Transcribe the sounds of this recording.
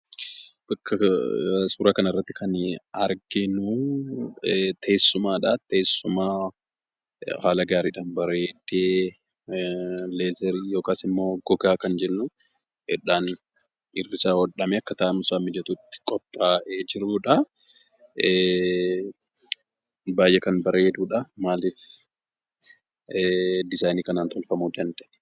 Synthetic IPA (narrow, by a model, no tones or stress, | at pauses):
b̥ɐkʰːɐ | suːɾaːkɐnɐɪrːɐt̪ːɪkʰɐnɐɾɡɪnu | t̪eːsːʊmaːᶑaːt̪eːsːʊmaː | haːlɐɡaːɾiːᶑaːnbɐɾeːd̪eː | leːzɛɾijoːkaːsɪmːo̞ːɡɔɡaːkɐnd͡ʒɛnːʊ | hɛᶑaːn | ɪrːɪsaːwɔᶑɐmɛɐkːɐt̪aːmʊsaːmɪd͡ʒɐt̪ut̪ːɪ̥kʼɔpʼːaːʔed͡ʒɪɾuːᶑɐ | baːjʔɛkɐnbɐɾe̞ːd̪uːᶑɐmaːliːf | d̪ɪzaːjniːkɐnaːnt̪ɔlfɐmud̪ɐnd̪ɛʔ